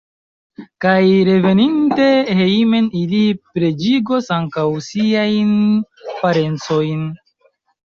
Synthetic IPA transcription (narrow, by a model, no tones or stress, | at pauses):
kajɾe̞ve̞ninte̞he̞ime̞nilipɾe̞d͡ʒiɡo̞saŋkawsiajn | paɾe̞nt͡so̞jn